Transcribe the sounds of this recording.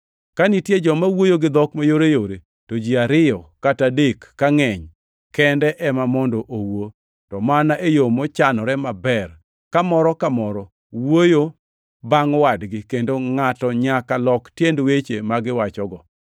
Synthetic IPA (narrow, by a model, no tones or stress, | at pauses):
kanitjed͡ʒɔmawojoɡɪd̪ɔkmajoɾejoɾe | tod͡ʒiaɾɪjɔkatadekːaŋɛɲ | kɛndɛʔɛmamɔndoʔowo | tɔmanaʔejomɔt͡ʃanɔɾɛmabɛr | kamɔɾɔkamɔɾɔ | wojo | baŋɔwadɡɪkendoŋatɔɲakalɔktjendwet͡ʃemaɡɪwat͡ʃɔɡɔ